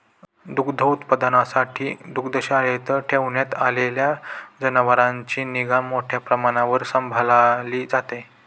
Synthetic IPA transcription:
d̪ukd̪ʱəwut̪pəd̪ənasaʈʰiːd̪ukd̪əɕaɾet̪əʈʰeʋɳjat̪aleljad͡zənəʋəɾãɲt͡ɕiːniɡamːoʈʰjapɾəmaɽ̃aʋəɾsəmbʱalaliːd͡zat̪e

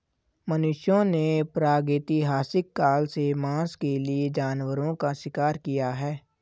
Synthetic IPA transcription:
mənʊʃjõnepɾaːɡɪːt̪iɦaːsɪkːaːlsemãːskelied͡ʒaːnwəɾõkaʃɪkaːɾkijaɦɛː

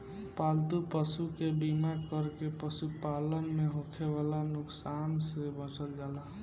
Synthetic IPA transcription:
palt̪upəsukebimakəɾkepəsupalənmeɦõkʰeʋalanʊksansebə̃t͡ʃəld͡ʒala

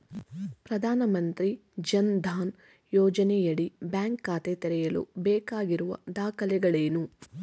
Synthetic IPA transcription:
pɾɐd̪ʱaːnɐmɐnt̪ɾid͡ʒɐnd̪ʱaːn | jɔːd͡ʒɐnɛjɐɭibjaːŋkːaːt̪et̪ɛɾɛjɐlṵbɛːkaːɡiɾuʋɐ̰d̪aːkʰɐlɛɡɐɭeːnu

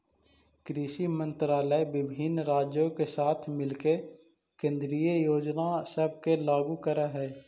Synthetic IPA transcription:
kɾiːʃimə̃nt̪ɾaːləʋɪbʱinɾaːd͡ʒjõkesaːt̪ʰmɪlke | kẽːnd̪ɾijəjoːd͡ʒnasəb̚ʱkelaːɡukəɾaɦɛː

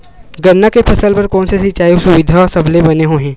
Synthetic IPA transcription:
ɡɐɾːakepʰɐsəlpɐɾkɔːnsesɪt͡ʃaːisʊʋɪd̪ʱaasɐblebɐneɦoːɦẽː

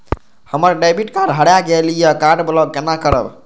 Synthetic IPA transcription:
həməɾɖabiʈkaɾɦəɽjaɡelijəkaɾɖblɔɡkenakəɾə̰b

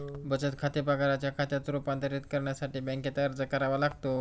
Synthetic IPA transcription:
bət͡ɕət̪kʰat̪epəɡaɾat͡ɕjakʰat̪jat̪ɾupant̪əɾit̪kəɾɳjasaʈiːbɛ̃ŋket̪aɾd͡zəkəɾaʋalaɡt̪o

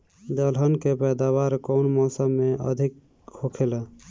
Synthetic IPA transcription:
d̪əlɦənkepɛd̪aβaɾkoʊnmɔsəmːeʔə̰d̪ʱik | hokʰela

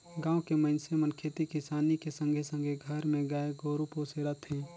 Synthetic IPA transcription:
ɡãːokeməɪnsemənkʰeːt̪ikisaːnikesə̃ŋɡʱesə̃ŋɡʱeɡʱəɾmẽɡaːeɡoːɾupoːseɾət̪ʰɦɛ̃ː

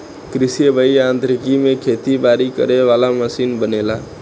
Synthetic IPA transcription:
kɾɪsijəbʱəiãnt̪ɾɪkimẽkʰet̪ibaɾikə̰ɾeʋalaməsiːnbənela

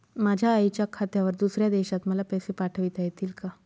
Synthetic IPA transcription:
mad͡ʑʱjaːit͡ɕjakʰat̪jaʋəɾd̪usɾjad̪eɕat̪məlapəjsepaʈʰəʋit̪ajet̪iːlka

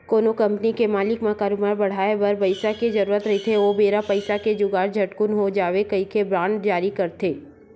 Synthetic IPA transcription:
koːnokɐ̃mpnikemaːlɪkmãkaːɾumaːɾbɐɽ̤aːebɐɾbɐɪsaked͡ʒɐɾuːɾət̪ɾɐɦet̪ʰeʋobeːɾapɐɪsaked͡ʒʊɡaːɾd͡ʒʱɐʈkʊnɦod͡ʒaːʋekɐikebɾãːɳɖd͡ʒaːɾikɐɾt̪ʰeː

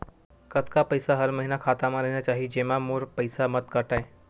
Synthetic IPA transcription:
kət̪kapəɪsaɦəɾmɐɦinakʰaːt̪amãɾɐɦinat͡ʃaːɦid͡ʒeːmãmoɾpəɪsamət̪kəʈaeː

